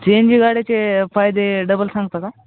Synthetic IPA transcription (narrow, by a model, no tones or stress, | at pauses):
t͡ʃeːnd͡ʒiɡaːɽet͡ʃepʰaːjd̪eɖəbəlsãːŋɡt̪at̪a